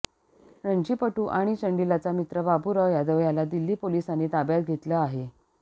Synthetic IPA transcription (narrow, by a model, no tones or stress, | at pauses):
ɾəɳd͡ʑiːpəʈuːʔaɽ̃it͡ɕəɳɖilat͡samit̪ɾəbabuɾəjad̪əʋjalad̪ilːiːpolisaniːt̪abjat̪̚ɡʱet̪ləaɦe